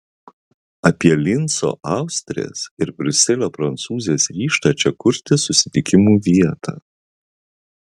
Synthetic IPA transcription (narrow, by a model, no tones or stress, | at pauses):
ɐpʲiɛlʲɪnˑso̰ːʔɑˑʊsʲt̪ʲɾʲɪ̰ḛːsɪɾbʲɾʲʊsʲɪlʲopɾɐnt̪suːzʲesɾʲiːʃt̪ɑt͡ʃʲɛkʊɾʲt̪ʲɪsʊsʲɪ̥t̪ʲɪkʲɪmuːʋʲiɛt̪ʰɑ̰ː